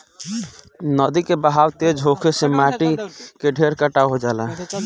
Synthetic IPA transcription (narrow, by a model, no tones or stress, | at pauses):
nəd̪ikebəɦawt̪ed͡ʒɦokʰesemaʈikeɖʱeɾkəʈaɦod͡ʒaːla